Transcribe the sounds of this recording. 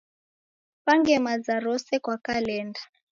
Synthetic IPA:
paŋɡɛmazaɾɔsɛkwakalɛnda

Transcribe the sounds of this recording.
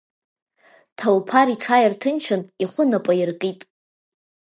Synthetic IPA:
tʰalwpʰaɾiʈ͡ʂʰajɪrtʰɨnt͡ʃʰɨniχʷʊnapʷʼajɪrkʼitʼ

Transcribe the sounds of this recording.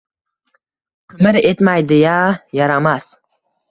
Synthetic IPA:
qʰʊmɪɾet̪majd̪ɪjajɑɾamas

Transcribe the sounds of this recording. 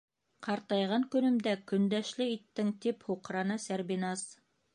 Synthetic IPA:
qɑɾt̪ɑjʁɑŋkɵ̆nɵ̆md̪ækɵ̆nd̪æʃlɘit̪ːɘŋt̪iphuqɾɑnɤsæɾbinɑs

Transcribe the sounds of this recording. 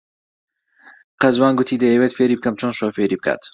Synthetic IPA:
qɐzwaːnɡʊt̪ʰiːd̪ɐjeweːt̪feːɾiːb̚kɐmt͡ʃʰonʃoːfeɾiːb̚kʰa̰ːt̪

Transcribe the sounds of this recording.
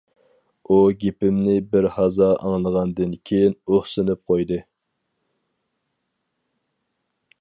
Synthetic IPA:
uɡʲepɪmnɪbɪɾhɑzɑʔɑ̰ŋlˠəʁɑnd̪ɨnkʲʰejinoχsɨnɨp̚qʰojd̪ɨ

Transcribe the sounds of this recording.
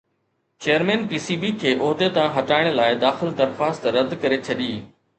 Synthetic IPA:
t͡ɕeːjəɾmɛ̃ːnpiːsiːbikʰeːʔoːɦd̪et̪ãɦɐʈaːɪɽ̃laːɪd̪aːxɪld̪ɐɾxaːst̪ɾɐd̪kɐɾet͡ɕʰɐɗiː

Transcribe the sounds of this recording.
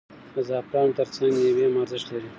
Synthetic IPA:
azɑpɾɑnt̪əɾt͡saŋɡjawemaɾzɪʃlaɾi

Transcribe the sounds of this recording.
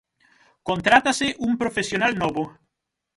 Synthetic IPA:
kont̪ɾat̪asɪʔumpɾofesjonalnɔβo

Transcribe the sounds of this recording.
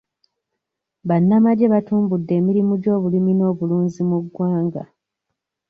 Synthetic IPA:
βanːamaɟeβatuːmbudːe̞ːmiɾimuɟo̞ːβulimino̞ːβuluːɲzimuɡwaːŋɡa̰

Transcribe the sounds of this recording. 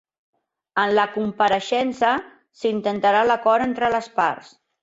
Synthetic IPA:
ənləkumpəɾəʃɛnsə | sint̪ənt̪əɾaləkɔɾent̪ɾələspa̰rs

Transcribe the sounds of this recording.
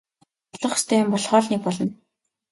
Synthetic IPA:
ɮɞ̆χst̪ʰœːjʊmpɔɮχɔːɮniːk̚pɔɮɞ̆n

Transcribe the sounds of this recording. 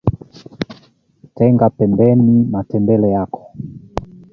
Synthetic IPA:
tɛŋɡapɛmbɛnimatɛmbɛlɛjakʰɔ̥

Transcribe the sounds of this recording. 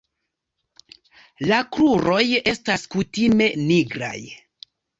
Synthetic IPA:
lakɾuɾo̞je̞staskutime̞niɡɾa̰j

